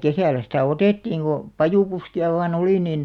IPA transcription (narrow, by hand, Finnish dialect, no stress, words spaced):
kesæˑlˑæ sitæˑ oteˑtːiːŋ ɡ̊o pɑjuˑpuskiɑ ʋɑːn oliˑ nin